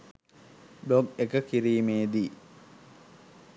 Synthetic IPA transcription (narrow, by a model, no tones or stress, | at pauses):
bloɡekəkiɾiːmeːd̪i